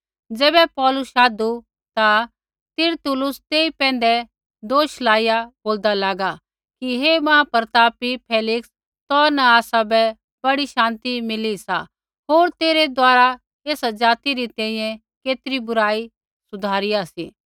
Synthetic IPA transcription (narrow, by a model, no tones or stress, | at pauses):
d͡zɛːbɛpɔːlʊsʃaːd̪u | t̪a | t̪ɪɾt̪ʊlʊst̪eːipɛ̃ːnd̪ɛ | d̪oːʃlaːɪjaboːld̪alaːɡa | kiɦemãːpɐɾt̪aːpipʰeːlɪks | t̪ɔːɾnaaːsabɛ | b̥ɐɽiʃãːnt̪imɪlisa | ɦoːɾt̪eːɾed̪waːɾa | eːsad͡ʒaːt̪iɾit̪ɛ̃ːĩjɛ̃ | keːt̪ɪɾibʊɾaːi | sʊd̪ʱaːɾɪjasḭː